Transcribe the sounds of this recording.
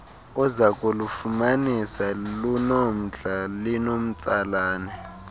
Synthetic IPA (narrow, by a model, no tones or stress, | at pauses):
ɔzakʼulufumanisalunom̩ɮalinom̩t͡sʼalaːnɛ